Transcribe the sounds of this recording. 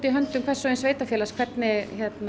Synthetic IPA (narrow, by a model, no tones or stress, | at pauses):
t̪iɦœnt̪ʏmkʰvɛr̥sɔensveːjt̪afjɛːlaskʰvɛrt̪nɪçɛt̪n